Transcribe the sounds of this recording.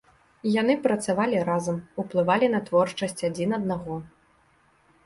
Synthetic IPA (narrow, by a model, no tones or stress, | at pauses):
janɨpɾɐt̪savalʲiɾazɐmuplˠɨvalʲinɐt̪vɔrt͡ʂɐsʲt͡sʲad͡zʲinɐd̪̚naɣɔ